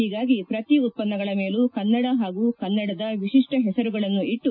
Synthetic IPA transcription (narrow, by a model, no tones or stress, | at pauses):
hiːɡaːɡipɾɐt̪iut̪̚pɐnːɐɡɐɭɐme̞ːlukɐnːɐɽɐɦaːɡuːkɐnːɐɽɐd̪ɐʋiʂiʂʈɐɦɛsɐɾuɡɐɭɐnːuʔiʈːu